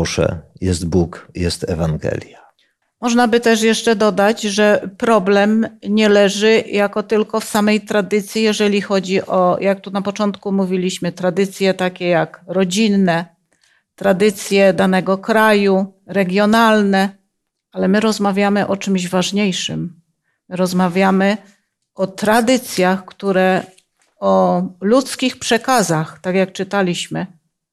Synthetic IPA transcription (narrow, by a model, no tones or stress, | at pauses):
ʂɛ̰jɛst̪bukjɛst̪ɛvaŋɡɛ̰lʲja | mɔʐnabɘt̪ɛʂjɛʂt͡ʂɛd̪ɔd̪ad͡ʑʐɛpɾɔblɛmɲɛlɛʐɘjakɔt̪ɘlkɔfsamɛjt̪ɾad̪ɘt̪sʲjijɛʐɛlʲixɔd͡ʑiʔɔjak̚t̪unapɔt͡ʂɔnt̪kumuvʲilʲiɕmɘt̪ɾad̪ɘt̪sʲjɛt̪akʲɛjakɾɔd͡ʑinːɛ | t̪ɾad̪ɘt̪sʲjɛd̪anɛɡɔkɾajuɾɛɡʲjɔnalnɛ | alɛmɘɾɔzmavʲjamɘʔɔt͡ʂɘmʑvaʐɲejʂɘ̰mː | ɘɾɔzmavʲjamɘ | ɔt̪ɾad̪ɘt̪sʲjaxkt̪uɾɛ | ɔlut̪skʲixpʂɛkazaxt̪akʲjak̚t͡ʂɘt̪alʲiɕmɘ